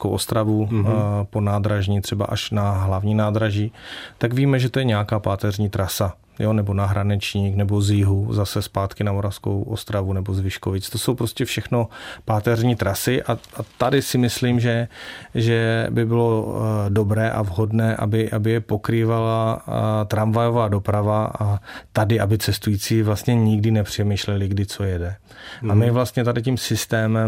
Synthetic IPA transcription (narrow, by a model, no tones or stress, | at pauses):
skowʔo̞st̪ɾavupo̞naːd̪ɾaʒɲit̪r̝̥ɛba̰ʔaʃnaɦlavɲiːnaːd̪ɾaʒiːt̪aɡviːmɛʒɛt̪ojɛɲɛjakaːpaːt̪ɛrɲiːt̪ɾasa | jonɛbo̞naɦɾanɛt͡ʃɲiːknɛboziɦuzasɛspaːt̪kɪnamo̞ɾafsko̰wʔost̪ɾavunɛbo̞zvɪʃkovɪt͡st̪o̞so̞wpɾo̞scɛfʃɛxno̞paːt̪ɛrɲiːt̪ɾasɪʔaat̪adɪsɪmɪsliːmʒɛʒɛbɪbɪlo̞do̞bɾɛːʔa̰vɦo̞dnɛːʔa̰bɪʔabɪjɛpo̞kɾiːvalat̪ɾamvajo̞vaːdo̞pɾavat̪adɪʔabɪt͡sɛst̪ujiːt͡siːvlast̪ɲɛɲɪɡdɪnɛpr̝̥ɛmiːʃlɛlɪɡdɪt͡so̞jɛdɛ | amɪvlast̪ɲɛt̪adɪcimsɪst̪ɛːmɛm